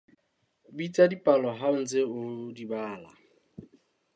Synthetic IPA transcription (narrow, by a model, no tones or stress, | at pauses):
bitʼadipʼalɔɦaʊn̩d͡zeodibaːla̰